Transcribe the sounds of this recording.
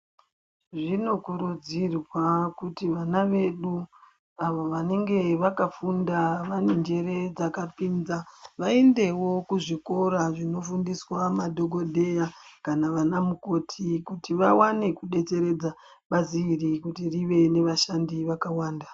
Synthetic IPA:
ʐino̞kuɾud͡zirwakutiʋanaʋe̞ɗu | aʋoʋane̞ŋɡe̞ʋakafundaʋane̞nd͡ʒe̞ɾe̞d͡zakapiːnzaʋaende̞wo̞kuʐiko̞ɾaʐino̞fundiswamadʱoɡʱodʱe̞jakanaʋanamuko̞tʰikutiʋawane̞kuɗe̞t͡se̞ɾe̞d͡za | ɓaziːrikutiriʋe̞ne̞ʋaʃandiʋakawaːnda

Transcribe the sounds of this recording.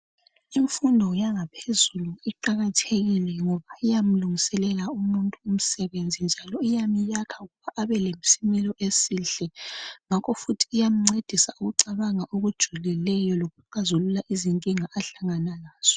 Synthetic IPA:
iɱfundʱɔjaŋapʰezuluiǃaɣatʰeɣilɛŋɔβaijam̩luŋisɛlɛlaumuntʼuum̩sɛβend͡zʱind͡ʒʱalɔijamijakʰauɣuβaʔaβɛlemsimɛlɔʔesiɬɛŋakʰɔfutʰi̥ːjam̩ŋ͡ǀed̥ʱisauɣuǀaβaŋaʔoɣud̥ʒ̥ʱulilɛjɔloɣuǃazululaʔiziŋkʼiŋaʔaɬaŋanalaːz̥ɔ̥

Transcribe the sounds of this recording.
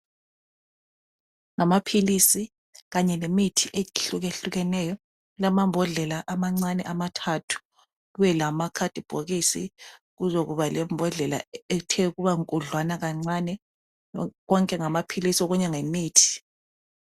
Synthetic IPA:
ŋamapʰilisi | ɣaɲɛnemitʰiʔeɬuɣeɬuɣɛnɛːjɔ | lamambʱɔɮɛlaʔamaŋ͡ǀanɛʔamatʰatʰu̥ | ɣuβɛlamakʰad̥ʱʼib̥ʱoɣisḭ | ɣuzoɣuβalɛmbʱɔɮɛla̰ɛtʰɛuɣuβaŋkʼuɮwanaɣaŋ͡ǀanɛ | ɣɔŋkʼɛŋamapʰilisiɔɣuɲɛŋemiːtʰi̥

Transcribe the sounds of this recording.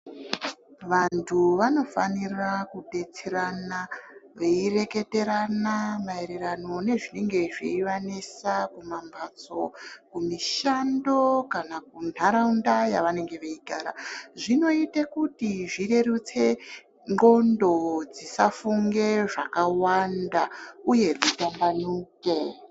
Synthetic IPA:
ʋantʰuʋano̞fanirakude̞t͡seɾanaʋeire̞ke̞te̞ɾanamaeɾeɾano̞ne̞ʐine̞ŋɡe̞ʐḛiʋanesakumambʱat͡so̞kumiʃando̞kanakunaɾaundajaʋane̞ŋɡe̞ʋeiɡaːɾaʐino̞itakutiʐire̞rut͡se̞ | ŋɡo̞ndo̞d͡zisafuŋɡe̞ʐakawandauje̞d͡zitambanuːke̞

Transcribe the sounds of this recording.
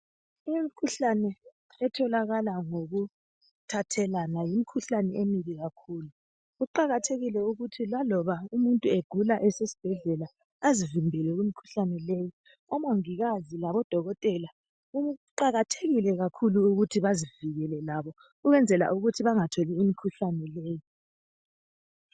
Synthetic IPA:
imikʰuɬanɛ | ɛtʰɔlaɣalaŋoɣu | tʰatʰɛlanajimikʰuɬanɛemiɣiɣakʰuːlu | ɣuǃaɣatʰeɣilɛuɣutʰilalɔβaumuntʼueɡ̥ʱulaʔɛsesi̥b̥ʱɛɮɛla | azivimbʱɛlɛɣimikʰu̥ɬanɛleji | ɔmoŋiɣazilaβɔd̥ʱɔɣɔtʼɛla | uǃaɣatʰeɣilɛɣakʰuluːɣutʰiβaziviɣɛlɛlaβɔ | uɣɛnd͡zʱɛla̰ʔuɣutʰiβaŋatʰoliimikʰuɬanɛleːji

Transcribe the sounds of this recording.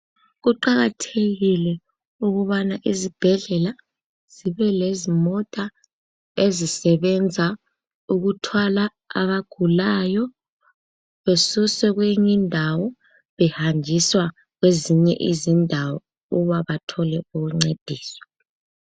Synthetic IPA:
ɣuǃaɣatʰeɣilɛ | uɣuβanaʔizib̥ʱɛɮɛla | z̥iβɛlezimɔtʼa | ezisɛβɛnd͡zʱa | uɣutʰwalaː | βaɡ̥ʱulajɔ | βesusɛɣweɲindʱawɔ | βɛhand͡ʒʱiswa | ɣweziɲɛ̰ʔizindʱawɔ | uuβaβatʰɔlɛuɣuŋ͡ǀed̥ʱiːswḁ

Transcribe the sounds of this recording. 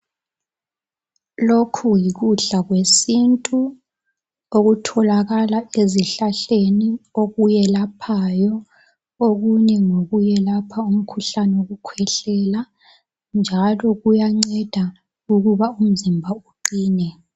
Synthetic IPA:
lokʰujiɣuɬaɣwesintʼu | oɣutʰɔlaɣalaeziɬaɬenioɣujɛlapʰajɔ | oɣuɲɛŋoɣujɛlapʰaum̩kʰuɬanɛoɣukʰwɛɬɛla | nd͡ʒʱalɔɣujaŋ͡ǀɛd̥ʱa | uɣuβaum̩zimbʱauǃiːnɛ

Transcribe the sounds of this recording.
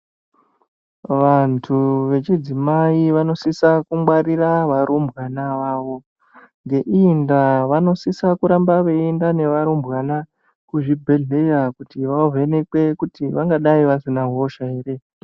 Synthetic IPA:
ʋantʰuʋe̞t͡ʃid͡zimaiʋano̞sisakumwaɾiraʋaɾʔombʱɣanaʋaːʋo̞ | ŋɡe̞ʔindaʋano̞sisakuɾambaʋeindane̞ʋaɾombɣana | kuʐibʱe̞ɮe̞jakutiʋavene̞kwe̞kutiʋaŋɡaɗaiʋasinaɦo̞ʃae̞ːre̞

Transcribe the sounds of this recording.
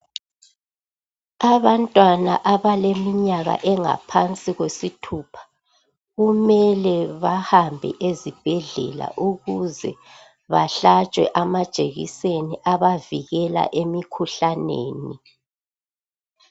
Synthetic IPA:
aβantʼwana̰ʔaβalemiɲaɣa̰ʔɛŋa̰pʰant͡sʼiɣwesitʰuːpʰḁ | ɣumɛlɛβahambʱɛ̰ʔezib̥ʱɛɮɛ̰la̰ʔuɣuzɛ̰ | βaɬat͡ʃʼwɛ̰ʔamḁt͡ʃʼeɣḭseniʔaβaviɣɛla̰ʔemikʰuɬanḛːni

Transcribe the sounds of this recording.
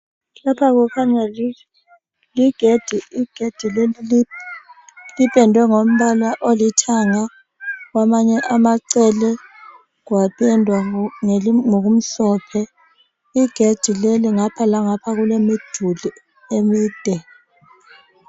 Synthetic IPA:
lapʰaɣukʰaɲɛli | liɡ̥ʱed̥ʱiiɡ̥ʱed̥ʱileli | lipʼɛndʱwɛŋom̩ɓalaʔolitʰaŋa | ɣwamaɲɛʔamaǀɛlɛ | ɣwapʰʼɛndʱwaŋŋoɣum̩ɬɔpʰɛ | iɡ̥ʱed̥d̥ʱileliŋapʰalaŋapʰaɣulemid̥ʱuli | emiːd̥ʱɛ

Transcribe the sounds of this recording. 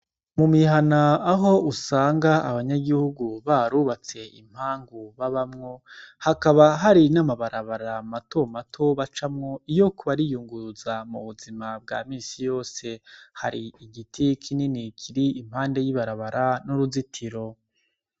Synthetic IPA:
mumiɦanaːɦo̞usaːŋɡaaβaɲaɡihuɡuβaɾuːβat͡se̞ḭm̥haːŋɡuβaβamŋo̞hakaβaɦaɾinamaβaɾaβaɾamato̞matʰo̞βat͡ʃamŋo̞ijo̞kuβaɾijuːŋɡuzamuβuzimab̚ɡa̰ːmiːsijo̞ːse̞ha̰ɾiiɡitʰikʰininikʰiɾiːm̥haːnde̞jiβaɾaβaɾanuɾuzitʰiɾo̞

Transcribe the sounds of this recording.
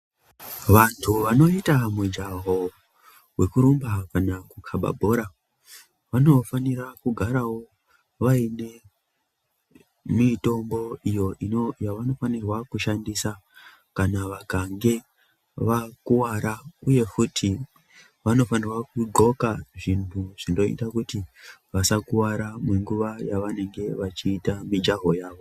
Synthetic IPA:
ʋantʰuʋano̞itamud͡ʒaɦo̞ | we̞kuɾumbakanakukʰaɓa̰bʱo̞ɾa | ʋano̞faniɾakuɡʱaɾawo̞ | ʋaine̞ | mito̞mbo̞ijo̞ʔino̞jaʋano̞fanirwakuʃandisa | kanaʋakaŋɡe̞ | ʋakuwaɾauje̞kutʰi | ʋano̞fanirwakuɡo̞kaʐintʰuʐ̥indo̞ḭtakutiʋasakuwaɾamweŋɡuʋajaʋane̞ŋɡe̞ʋat͡ʃiːtamid͡ʒaɦo̞jaːʋo̞

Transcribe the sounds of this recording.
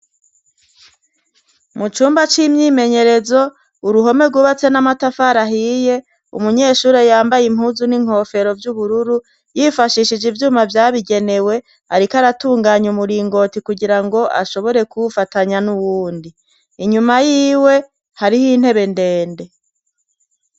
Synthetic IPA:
mut͡ʃuːmbat͡ʃimɲiːme̞ɲe̞ɾe̞zo̞ | uɾuɦo̞me̞ɡuβat͡se̞namatafaɾaɦiːje̞ | ṵmuɲe̞ːʃuːɾejaːmbajim̥huːzuniŋ̥ho̞ːfe̞ɾo̞vjuβuɾuɾu | jifaʃiʃid͡ʒivjuːmavjaːβiɡe̞ne̞we̞ | aɾikaɾatuːŋɡaːɲumuɾiːŋɡo̞tikuɡiɾaŋɡo̞ʔa̰ʃo̞βo̞ɾe̞kuβfataɲanuwuːndiː | ɲumajiːwe̞ | haɾihiːn̥he̞βe̞ndeːnde̞

